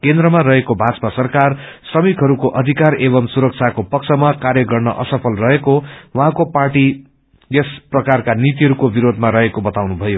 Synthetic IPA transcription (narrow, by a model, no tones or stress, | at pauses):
kend̪rʌmaɾʌɦekobʱad͡zʌ̥pasʌrkarsʌmikɦʌɾukoʔʌd̪ʱikarebʌmsuɾʌk̚t͡sʰakopʌk̚sʰʌmakaɾjʌɡʌrnʌʔʌsʌpʰʌlrʌɦekowʌɦãkoparʈi | jesprʌkarkanit̪iɦʌɾukobiɾod̪ʱmaɾʌɦekobʌt̪awnubʱʌjo